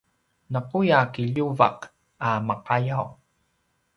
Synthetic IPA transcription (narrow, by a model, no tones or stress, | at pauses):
nəqujakiʎuva̰q | aməqajaw